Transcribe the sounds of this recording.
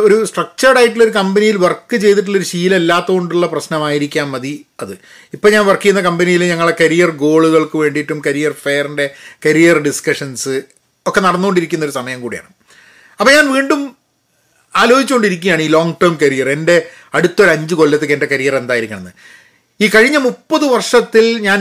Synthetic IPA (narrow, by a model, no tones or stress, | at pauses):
o̞ɾusʈrɐk̚t͡ɕɐrɽaːjiʈːilo̞ɾukɐmbɐnijilʋɐrkːɨt͡ɕe̞jt̪̬iʈːilːo̞ɾuɕiːle̞lːaːt̪ːɐɣoɳɖuɭːɐprɐɕnɐmaːjiɾikʲːaːmːɐðiɐðɨ | ipːoːɲaːnʋɐrkːijunːɐkɐmbɐnijileɲɐŋːɐɭekɐɾijɐrɡo̞ːɭuɣɐɭkɨʋe̞ːɳɖiʈːumkɐɾijɐrfejɐrinde̞kɐɾijɐrɖiskɐʂɐnsɨ | okːe̞nɐɽɐnːukːoɳɖiɾikʲːunːoɾusɐmɐjɐmkuːɽija̰ːɳɨ | ɐpːɲaːnʋiːɳɖum | aːlo̞ːd͡ʑit͡ɕːukoɳɖiɾikʲːumjaːɳiːlo̞ːŋɡʈɐrmkɐɾijɐre̞nde̞ | ɐɽut̪ːo̞ɾɐɲd͡ʑɨko̞lːɐt̪ːɨkendekɐɾijɐre̞nd̪aːjiɾikʲːuɳɐnːɨ | iːkɐɻiɲːɐmupːɐðɨʋɐrʂɐt̪ːilɲaːn